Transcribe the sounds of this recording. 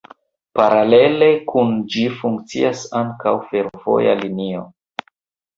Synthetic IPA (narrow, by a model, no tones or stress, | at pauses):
paɾale̞le̞kʰund͡ʒifuŋkt͡siasaŋkawfe̞ɾvo̞̰ja̰linio̞